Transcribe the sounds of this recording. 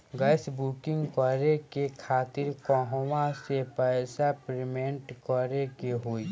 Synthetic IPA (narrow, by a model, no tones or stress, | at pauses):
ɡəɪsbuːkɪ̃ŋɡkɔɾekekʰaːt̪ɪɾkɔɦwãsepɛːsapɾɪmẽɳʈkɔːɾekeɦoːi